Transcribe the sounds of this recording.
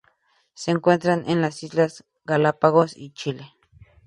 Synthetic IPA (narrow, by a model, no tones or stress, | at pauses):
seŋkʷent̪ɾanʔenlasizlas | ɡalapaɣosḭt͡ʃile